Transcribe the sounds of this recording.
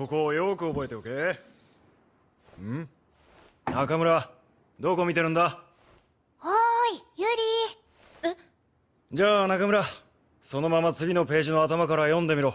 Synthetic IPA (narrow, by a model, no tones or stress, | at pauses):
ko̞ko̞jokɯ̟o̞bo̞e̞t̪e̞oke | ɯ̃ | nakamɯ̟ɾa | d̪o̞ːko̞mʲit̪e̞ɾɯ̟̃nd̪a | oijɯɾʲi | d͡ʑaːnakamɯɾa | so̞no̞mamat͡sɨɡʲino̞pe̞ːʑino̞at̪amakaɾajõ̞nd̪e̞miɾo̞